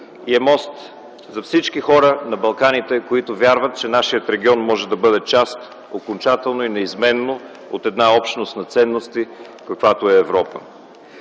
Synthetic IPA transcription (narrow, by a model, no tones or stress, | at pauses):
iɛmɔst̪ | zɐfsit͡ʃkixɔɾənɐbɐlˠkanit̪ɛkoit̪ovʲjaɾvət̪̚t͡ʃɛnaʃijət̪ɾɛɡʲiɔnmɔʒɛd̪ɐbɤd̪ɛt͡ʃast̪ | okont͡ʃat̪ɛlˠnoinɛizmɛnːo | o̰t̪ɛd̪naɔpʃt̪nost̪nɐt̪sɛnːost̪i | kɐkvat̪oɛːvɾɔpə